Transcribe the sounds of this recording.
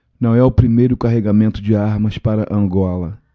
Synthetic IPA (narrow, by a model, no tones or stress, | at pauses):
nɐ̃w̃ɛʊpɾimejɾʊkaɦeɡamẽnt̪ʊd͡ʒɪaɾmɐspaɾɐʔɐ̃ŋɡɔlɐ